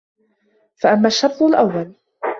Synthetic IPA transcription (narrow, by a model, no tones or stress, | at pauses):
faʔamːaʃːɑbt̪ˤʊlʔawːal